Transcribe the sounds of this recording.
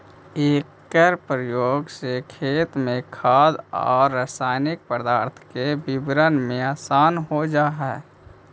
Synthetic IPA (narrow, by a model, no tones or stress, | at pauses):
eːkː | əɾpɾəjoːɡsekʰeːt̪mẽkʰaːd̪ɔ̰ːɾːəsaːɪnɪk̚pəɾd̪aːɾt̪ʰkebɪbɾənmẽaːsaːnɦod͡ʒaːɦɛ